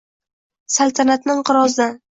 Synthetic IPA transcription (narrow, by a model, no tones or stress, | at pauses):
salˠt̪ʰanat̪nɪŋqʰɨɾɒzd̪an